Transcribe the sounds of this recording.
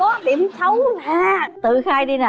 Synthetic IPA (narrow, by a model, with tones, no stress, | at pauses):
kɔ˨˦ɗi˨˧˩əmsə˨˦wŋ͡mvaː˨˩t̪ɨ˧˨xaː˧jɗi˧na˨˩